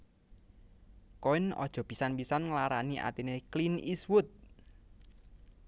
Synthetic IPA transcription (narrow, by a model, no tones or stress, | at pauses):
koɪnɔ̰d̥ʒ̥ɔ̤b̥i̤sanpisanŋəlaɾaniʔa̰t̪inekliniswʊt̪̚